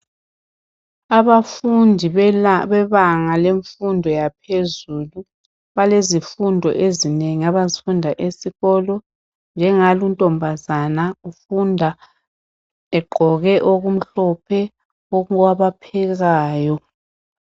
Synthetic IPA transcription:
aβafundʱiβɛβaŋaleɱfundʱɔjapʰezulu | βalezifundʱɔ̰ʔezineŋiaβazifundʱaʔesiɣɔlɔ | nd͡ʒʱɛŋaluntʼɔmbʱazanaufundʱa | ɛɡ͡ǃʱɔɣɛʔoɣum̩ɬɔpʰɛ | ɔɣwaβapʰɛɣaːjɔ

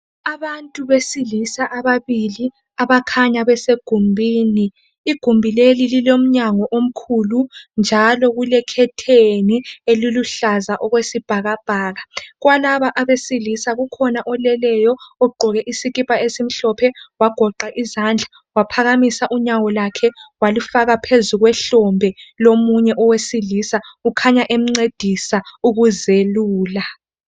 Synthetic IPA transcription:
aβantʼuβesilisaʔaβaβili | aβakʰaɲaβɛseɡ̥ʱumbʱiːniː | ɡ̥ʱumbʱilelililom̩ɲaŋɔʔom̩kʰulund͡ʒʱalɔɣulɛkʰɛtʰenieliluɬazaʔɔɣwesib̥ʱaɣab̥ʱaːɣaɣwalaβaʔaβesilisaɣukʰɔnaʔɔlɛlɛjɔɔɡ͡ǃʱɔɣɛʔisiɣipʼaesim̩ɬɔpʰɛwaɡ̥ʱɔǃaʔizand͡ɮʱa | wapʰaɣamisaʔuɲawɔlakʰɛwalufaɣapʰezuɣwɛɬɔmbʱɛlomuɲɛʔɔwesilisaukʰaɲaʔem̩ŋ͡ǀed̥ʱisauɣuzeluːla

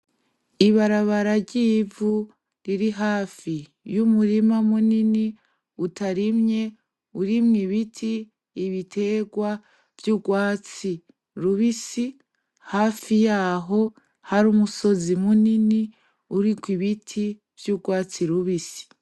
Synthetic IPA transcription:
iβaɾaβaɾaɟivu | ɾiɾiɦaːfi | jumuɾimamunini | utaɾimɲe̞ | uɾimɲiβitʰiː | βitʰe̞ɡwa | v̥juːɡwaːt͡si | ɾuβisi | haːfijaːɦo̞ | haɾuːmuso̞zimunini | uɾikwiβitʰi | v̥juɡwaːt͡siɾuβisi̥

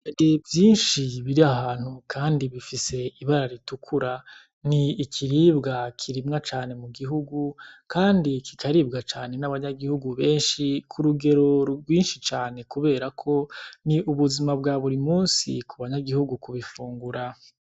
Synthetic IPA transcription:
aɾevjiːnʃiβiɾiaɦaːn̥hukʰaːndiβifise̞iβaɾaɾitukʰuɾa | niːkʰiɾiːbɡakʰiɾimŋat͡ʃaːne̞muɡiɦuɡukaːndikʰikaɾib̚ɡat͡ʃaːne̞naβaɲaɡihuɡuβe̞ːnʃikʰuɾuɡe̞ɾo̞ɾɡwiːnʃit͡ʃaːne̞kuβe̞ːɾakʰo̞niuβuzimab̚ɡaβuɾimuːnsḭkuβaɲaɡihuɡukuβifuːŋɡuɾa

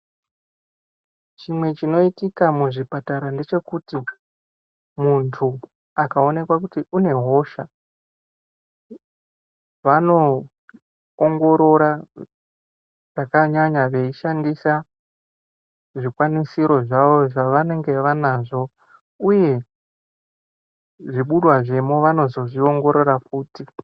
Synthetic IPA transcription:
t͡ʃimwe̞t͡ʃino̞itikamuʐipataɾande̞t͡ʃe̞kuti | muntʰu | akao̞ne̞kwakutiʔune̞ɦo̞ʃa | ʋano̞ | ŋɡo̞ɾo̞ɾa | ʐakaɲaɲaʋe̞iʃandisa | ʐikwanisiɾo̞ʐaʋo̞ʐaʋane̞ŋɡe̞ʋanaʐo̞ | uje̞ | ʐiɓuɗwaʐe̞moʋano̞zo̞ʐio̞ŋɡo̞ɾo̞rafuːti

